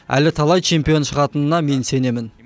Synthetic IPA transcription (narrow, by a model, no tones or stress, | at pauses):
æ̰lɪt̪ʰɑlˠɑjt͡ʃʰe̞mpijo̞nʃəʁɑt̪ənənɑme̞nse̞ne̞mɪn